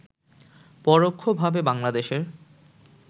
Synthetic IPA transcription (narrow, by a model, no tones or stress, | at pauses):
pɔɾokʰːobʱabebaŋlad̪eʃeɾ